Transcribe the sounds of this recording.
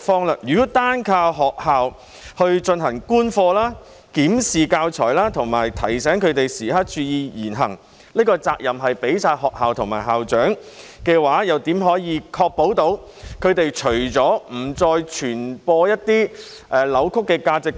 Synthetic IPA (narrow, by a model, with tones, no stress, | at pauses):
fɔː˥ŋlaː˥jyː˨˩kɔ˨˥t̪aː˥nkʰaː˧wɦɔː˨k̚haː˨˧w | hɵ˧ɥt͡ʃɵ˧nɦɐ˨˩ŋkuː˥nfɔː˧laː˥ | kiː˨˥msiː˨kaː˧wt͡ʃʰɔ̰ː˨˩jlaː˥t̪ʰʊ˨˩ŋmaː˨˩jt̪ʰɐ˨˩jsɛː˨˥ŋkʰɵ˨˧ɥt̪e˨jsiː˨˩hɐ˥t̚t͡ʃyː˧jiː˧jiː˨˩nɦɐ̰˨˩ŋ | liː˥kɔː˧t͡saː˧k̚jɐ˨mɦɐ˨jpe˨˥jsaː˧jhɔː˨k̚haː˨wt̪ʰʊ˨˩ŋma̰ː˨˩jɦaː˨wt͡ʃœː˨˥ŋ | kɛː˧waː˨˥jɐ˨wt̪iː˨˥mɦɔː˨˥jiː˨˧kʰɔː˧k̚po˨˥wt̪o˨˧˥w | kʰɵ˨˧ɥt̪e˨jt͡ʃʰɵ˨˩ɥt͡sɔː˨˥m̩˨˩t͡sɔː˧jt͡ʃʰyː˨˩npɔː˧jɐ˥t̚t̪iː˥ | ʔɛː˨˩lɐ˨˧wkʰʊ˥kːɛː˧kaː˧t͡sɪ˨k̚